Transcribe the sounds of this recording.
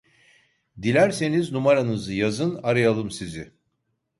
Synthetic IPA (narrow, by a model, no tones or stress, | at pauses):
d̪ilʲæɾse̞niznumaɾanɯzɯjazɯnaɾajalˠɯmsizɪ